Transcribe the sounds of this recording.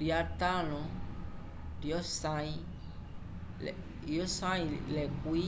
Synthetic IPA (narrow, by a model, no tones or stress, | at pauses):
ɖiat̪alɔ̃ | ɖiɔsãi | jɔsãilɛkui